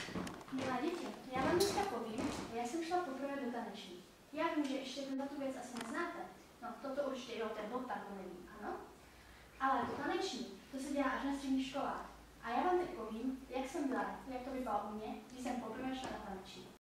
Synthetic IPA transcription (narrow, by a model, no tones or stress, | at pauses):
mɪlɛːɟɛcijaːvaːmnɛskapoviːmʒjaːsɛmʃlapopr̩vɛːdot̪anɛt͡ʃɲiː | jaːviːmʒɛʔɛʃcɛt̪ɛndlat̪uvjɛt͡sʔasɪnɛznaːt̪ɛ | not̪ot̪ouɾt͡ʃi̥cɛjɛot̪ɛdlot̪aɡlonɛvḭːmʔano | ʔalɛd̪ot̪anɛt͡ʃɲit̪osɛɟɛlaːʔaʒnas̬t̪rɛdɲiːxʃkola̰ːx | ʔajaːvaːmt̪ɛc̚poviːmjaksɛmbɪlaajak̚t̪obɪbalʔumɲɛɡdɪsɛmpopr̩vɛːʃlanat̪anɛt͡ʃɲḭ